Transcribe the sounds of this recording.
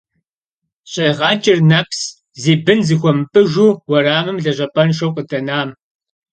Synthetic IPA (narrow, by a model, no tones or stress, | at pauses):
ɕʼɐjʁɑːt͡ʃʼɪrnɐpʰs | ziːbɨnzixʷɔmɨpʼɨʒuːwɐraːmɨmɮɐʑʼɐpʼɐnʃɐwqʼətʰɐnaːm